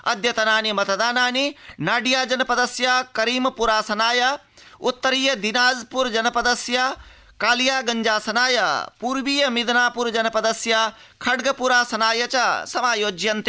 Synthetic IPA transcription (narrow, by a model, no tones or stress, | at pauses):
ɐ̰d̪jɐt̪ɐnaːnimɐt̪ɐd̪aːnaːninaːɖijaːd͡ʒɐnɐpɐd̪ɐsjakɐɾiːmɐpuɾaːsɐnaːjɐ | ut̪ːɐɾiːjɐd̪inaːzpuɾd͡ʒɐnɐpɐd̪ɐsja | kaːlijaːɡɐɲd͡ʒaːsɐnaːjɐpuɾʋiːjɐmid̪ɐnaːpuɾd͡ʒɐnɐpɐd̪ɐsja | kʰɐɖɡɐpuɾaːsɐnaːjɐt͡ʃɐsɐmaːjoːd͡ʒjɐnt̪i̥